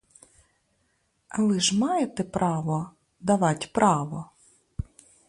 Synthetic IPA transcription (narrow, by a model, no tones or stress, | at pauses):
ɐlˠɪʒmɑjet̪ɛpɾʔɑʋɔ | d̪ɐʋɑtʲpɾʔɑʋɔ